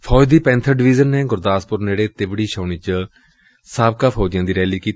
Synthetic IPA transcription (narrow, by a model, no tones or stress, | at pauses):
pʰɔːd͡ʒd̪iːpɛ̃ːnt̪ʰəɖɪʋiːzənːeːɡʊɾd̪aːspʊɾneːɽeːt̪ɪʋɽiːʃəːɳ̃iːt͡ʃə | saːb̚kaːpʰɔːd͡ʒjãːd̪iːɾɛːliːkiːt̪